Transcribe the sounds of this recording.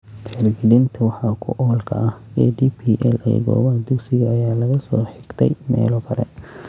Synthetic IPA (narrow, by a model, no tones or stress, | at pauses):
ħɛrd͡ʒɪðɪnt̪ʰɐwɑħɑkʰʊ̰ʔɔːlkʰɐ̰ʔɐhɛːd̪ipʰiʔɛ̰lʔɛ̰jɣɔ̰ːβɐd̪ʊɡsɪɣɐːjaːlɐɣɐsɔːħɪɡ̥t̪ʰɛjmɛ̰ːlɔkʰɐɾɛ̰